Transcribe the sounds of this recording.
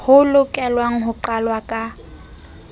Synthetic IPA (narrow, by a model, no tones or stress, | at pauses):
hʊlʊkʼɛlwaŋ̩ɦʊǃalwakʼa